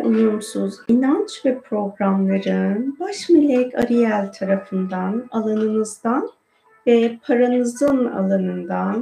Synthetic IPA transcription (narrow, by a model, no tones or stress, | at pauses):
uj̪umsuzinant͡ʃvɛpʰɾo̞ɡɾamlˠaɾɯnbaʃmilʲɛkʰa̰ɾijælʲt̪ʰaɾafɯnd̪analˠanɯnɯzd̪an | vɛpʰaɾanɯzɯna̰lˠanɯnd̪an